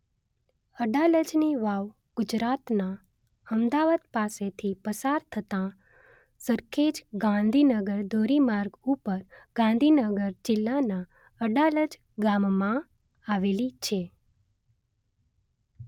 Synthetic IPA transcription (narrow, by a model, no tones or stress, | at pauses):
əɖaləd͡ʒniʋaʋ | ɡ̥ʊd͡ʒɾat̪na | əmd̪aʋad̪paset̪ʰipəsaɾt̪ʰət̪ã | səɾked͡ʒɡãnd̪ʱinəɡəɾd̪ʱoɾimaɾɡupəɾɡ̥ãnd̪ʱinəɡəɾd͡ʒɪlːana | əɖaləd͡ʒ | ɡamːã | aʋelit͡ʃʰe